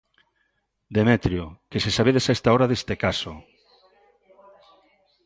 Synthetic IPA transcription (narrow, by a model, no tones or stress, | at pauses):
d̪emet̪ɾjokesesaβeðesaest̪aoɾaðest̪ekaso